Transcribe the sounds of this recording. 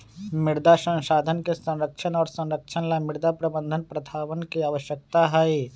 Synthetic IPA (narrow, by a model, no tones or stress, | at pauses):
mɪɽd̪asə̃nʃaːd̪ʱənkesə̃nɾəkʃənɔːɾsə̃nɾəkʃʰənlamɪɽd̪ʱapɾɐbə̃nd̪ʱənpɾət̪ʰaːʋənkiaːʋəʃjək̚t̪aɦɛi